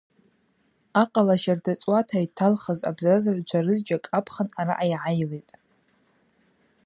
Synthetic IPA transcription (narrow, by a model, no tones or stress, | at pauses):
aqʼalaʃardat͡sʼwatʰaitʰalχəza̰bzazard͡ʒʷʰarɨzd͡ʒakʼapʰχənaɾaʔajʕajlejtʼ